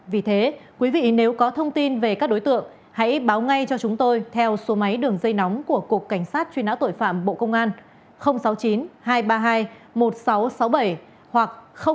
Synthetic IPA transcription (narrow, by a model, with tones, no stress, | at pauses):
vi˨˩t̪ʰe˨˦kwi˨˦vḭ˧˨ne˨˦wkɔ˨˦t̪ʰə˧wŋ͡mt̪i˧nve˨˩kaː˦˥k̚ɗo˨˦jt̪ɨ̰˧˨əŋ | ha̰˧˥jɓaː˨˦wŋa˧jt͡ɕɔ˧t͡ɕʊ˨˦ŋ͡mt̪o˧jt̪ʰɛ˧wso˨˦ma˨˦jɗɨ˨˩əŋzə˧jna˨˦wŋ͡mku˧˩əku˨˩əkːa˧˩jŋ̟saː˦˥t̚t͡ɕwi˧naː˧˥wt̪o̰˧˨jfa̰ː˧˨mɓo̰˧˨kə˧wŋ͡mʔaː˧n | xə˧wŋ͡msa˨˦wt͡ɕi˨˦nhaː˧jɓaː˧ɦaː˧jmo˨˩t̚sa˨˦wsa˨˦wɓə˧˩j | hwa˨˩k̚xə˧